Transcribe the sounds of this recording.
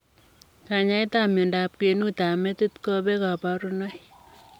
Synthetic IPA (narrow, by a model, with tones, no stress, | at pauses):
ka˨ɲa˦ɪ˦ta˦˨mɪ˨nda˨p̚ke˨nu˦ta˨mɛ˦tu˦t̪kɔ˦bɛ˦ka˨pa˨ɾu˦nɔ˦j